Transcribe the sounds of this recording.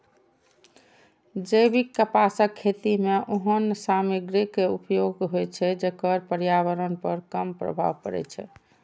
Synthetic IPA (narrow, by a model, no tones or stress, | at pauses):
d͡ʒejbikːəpasəkʰːet̪imeʔoɦənsamiɡɾikːeupjoɡɦojt͡ʃʰɛd͡ʒekəɾpəɾjaβəɾənpəɾkəmpɾə̰bʱa̰bpə̰ɾɛ̰t͡ʃʰɛ̰